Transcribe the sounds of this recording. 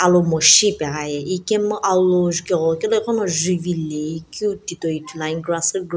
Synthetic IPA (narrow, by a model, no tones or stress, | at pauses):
alomɔʃipɛajɛikemɔʔaloʒukeɔkeloikɔnɔ̃ʒivileikiutitoitulaĩɡɾasɨɡ